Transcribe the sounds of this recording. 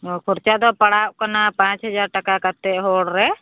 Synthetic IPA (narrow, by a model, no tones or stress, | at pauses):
kʰɔɾt͡ʃad̪ɔpaɽaʔ̚kanapãt͡ʃɦəd͡ʒaɾʈakakat̪ɛʔɦɔɽɾɛ